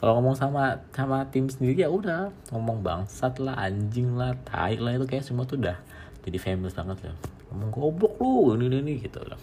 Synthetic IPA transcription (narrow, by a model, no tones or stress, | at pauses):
kaloŋɔmɔŋsamasamat̪ɪmsəndiɾiaudah | ŋɔmɔŋba̰ŋsat̪laɦa̰ɲd͡ʒɪŋlaht̪ʰa̰ɪʔlait̪ukajaʔsumuat̪udah | d͡ʒadifemilɪsbaŋət̪̚la̰ŋɔmɔŋɡobɔk̚lonininɪɡit̪ṵda̰h